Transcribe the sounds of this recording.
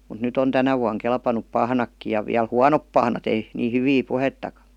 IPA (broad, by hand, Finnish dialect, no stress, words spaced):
mut nyt on tænæ ʋuɑŋ kelpɑnup pɑhnɑkːi jɑ ʋiæl huɑnop pɑhnɑt ei niː hyʋiː puhetːɑkɑ̥